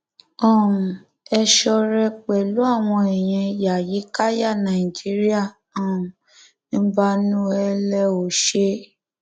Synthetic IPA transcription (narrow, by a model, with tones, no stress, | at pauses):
ɔ̃˦˨ | ɛ˧ʃɔ˧ɾɛ˧k͡pɛ˨lu˨˦a˦˨w̃ɔ̃˧ɛ˨j̃ɛ̃˧i˧ja˨ji˨˦ka˦ja˦˨nã˨i˨d͡ʒi˦ɾi˦a˦˨ | ɔ̃˨ | ñ̩˦ba˦nũ˦ɛ˧lɛ˦o˨ʃe˦